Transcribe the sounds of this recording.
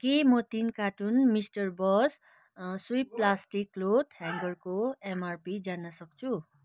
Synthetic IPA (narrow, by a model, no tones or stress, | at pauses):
kemʌt̪inkaʈunmisʈʌrbʌs | suipːlasʈiklot̪hãŋɡʌrkoemarpid͡zanʌsʌk̚t͡sʰu